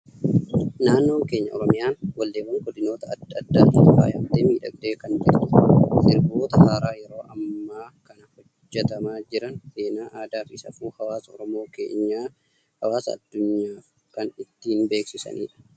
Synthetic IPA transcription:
naːnːo̞ːŋke̞ːɲːɐɔ̰ɾɔmɪjaːnwɐlːe̞ːbɐŋɡɔd̪ɪno̞ːt̪ɐɐd̪ɐd̪ːaːt̪iːt̪ʊfa̰ːjɐbd̪eːmiːᶑɐɡ̚d̪e̞ːkɐnd͡ʒɛɾt̪ʊ̥sɪɾboːt̪ɐhaːɾaːjɛɾo̞ːʔɐmːaːkɐnɐhɔ | d͡ʒːɛt̪ɐmaːd͡ʒɪɾɐnse̞ːnaːʔaːd̪aːfɪsɐ̰fuːhɐwaːsɐɔɾɔmo̞ːkḛːɲːaː | hɐwaːsɐ̰ːd̪ːʊɲːaːf | kɐnɪt̪ːiːnbe̞ːksɪsɐ̰nʔḭːᶑɐ̥

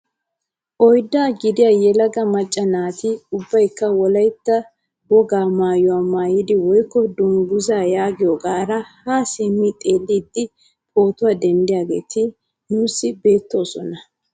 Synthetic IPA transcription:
ʔɔjd̪ːaːɡɪd̪ɪjaːjɛlɐɡɐmɐt͡ʃʼːɐnaːt̪ɪʊbːɐjkːɐwɔlɐjt̪ːɐ | bɔɡaːmaːjɔwaːmaːjɪd̪ɪwɔjkːɔd̪ʊŋɡʊzaːjaːɡɪjɔɡaːɾɐhasɛmɪt̪ʼe̞ːlːiːd̪ːɪ | pʼo̞ːt̪ʊwaːd̪ɛnd̪ɪjaːɡḛːt̪ʰɪ | nuːsːɪbe̞ːt̪ːo̞ːsɔ̰nɐ

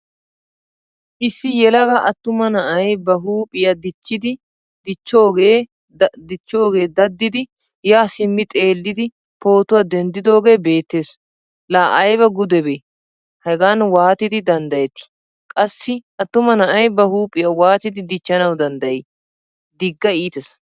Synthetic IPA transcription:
ʔɪsːɪjɛlɐɡɐʔɐt̪ːʊmɐnɐʔɐjbɐɦuːpʼɪjɐd̪ɪt͡ʃːɪd̪ɪ | d̪ɪt͡ʃːo̞ːɡeː | d̪ɪt͡ʃːo̞ːɡe̞ːd̪ɐd̪ːɪd̪ɪ | jaːsɪmːɪt̪ʼe̞ːlːɪd̪ɪ | po̞ːt̪ʊwad̪ɛnd̪ɪd̪o̞ːɡe̞ːbe̞ːt̪ːe̞ːs | laːʔɐjβɛɡʊd̪ɛbeː | hɛɡanwaːt̪ɪd̪ɪd̪ɐnd̪ɐjɛt̪ːɪ̥ | kʼɐsːɪʔɐt̪ːʊmɐnɐʔɐjbɐhuːpʼːɪjɐwaːt̪ɪd̪ɪd̪ɪt͡ʃːɐnɐwd̪ɐnd̪ɐje | d̪ɪɡːɐiːt̪ɛs

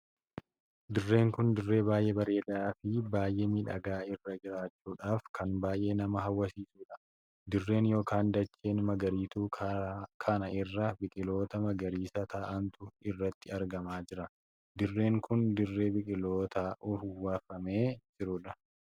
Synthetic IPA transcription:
d̪ɪrːe̞ːŋkʊnd̪ɪrːe̞ːbaːjʔeːbɐɾe̞ːd̪aːfɪbaːjʔeːmiːᶑɐ̰ɡaːɪrːɐd͡ʒɪɾaːt͡ʃːuːᶑaːfkʰɐnbaːjʔe̞ːnɐmɐɦɐwːɐsiːsuːᶑɐ̥ | d̪ɪrːe̞ːnjo̞ːkaːnd̪ɐt͡ʃːe̞ːnmɐɡɐɾiːt̪uːkʰɐnɐʔɪrːɐbɪkʼɪlo̞ːt̪ɐmɐɡɐɾiːsɐt̪ʰɐʔɐnt̪ʊɪrːɐt̪ːɪɐɾɡɐmaːd͡ʒɪɾɐ | d̪ɪrːe̞ːŋkʊnd̪ɪrːe̞ːbɪkʼɪlo̞ːt̪ɐʔʊfʊwaːfɐme̞ːd͡ʒɪɾʊᶑɐ

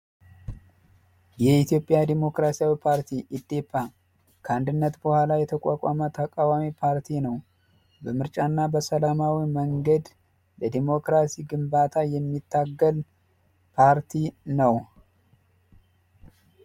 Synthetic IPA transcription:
jɛit̪jo̞pʼɪjad̪emo̞kɾasijawipʰaɾt̪ʰiʔɪd̪ːepːa | kʰəand̪ɨnːət̪bəhʷalajɛt̪ʰəkʼakʼa̰mət̪ʰəkʼawamipʰaɾt̪ʰinəw | bəmɨɾt͡ʃʼanːabəsəlamawiməŋɡəd̪ | ləd̪emo̞kɾasiɡɨmbat̪ʰajɛmːit̪ʰːaɡːəl | pʰaɾt̪ʰinəw

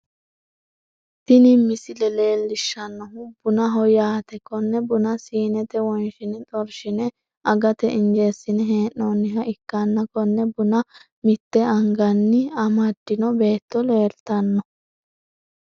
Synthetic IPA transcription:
t̪ɪnɪmːɪsɪlɛle̞ːlːɪʃːɐnːɔɦʊb̥ʊnɐɦɔjaːt̪ɛkɔnːɛbʊnɐsiːnɛt̪ɛwɔnʃɪnɛt̪ʼɔɾʃɪnɛ | ɐɡɐt̪ɛʔɪnd͡ʒeːsːɪnɛɦeːʔːonːɪɦɐʔɪkːɐnːɐkɔnːɛbʊnɐ | mɪt̪ːɛɐŋɡɐnːɪɐmɐd̪ːɪnɔbe̞ːt̪ːɔle̞ːɾt̪ɐnːɔ

